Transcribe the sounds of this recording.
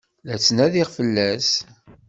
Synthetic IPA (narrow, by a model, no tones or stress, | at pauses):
læt͡sːnæðiʁfəlːæs